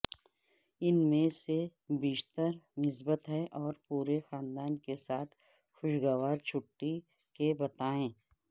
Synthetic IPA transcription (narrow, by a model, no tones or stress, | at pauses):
ɪnmẽsebiːʃt̪əɾnɪs̬bət̪ɦɛʔɔːɾpuːɾexaːnd̪aːnkesaːt̪ʰ | xʊʃɡaʋaːɾt͡ʃʰʊʈːi | kebɐt̪aːẽː